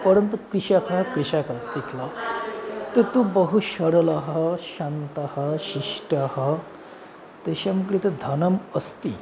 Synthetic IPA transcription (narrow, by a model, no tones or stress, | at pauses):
pəɾjənt̪əkɾiɕakʰakɾiɕakat͡sd̪ekʰla | t̪et̪ũbəɦuɕəɽlaɦaɕant̪ahaɕiʂʈaha | t̪eɕamukɽit̪əd̪ʱənəməst̪i